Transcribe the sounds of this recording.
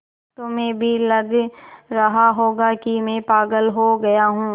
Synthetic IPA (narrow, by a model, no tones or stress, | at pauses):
t̪omɛ̃ːbʱilɐɡɾɐɦaɦoːɡakimɛ̃ːpaːɡəlɦoɡɐjaɦũː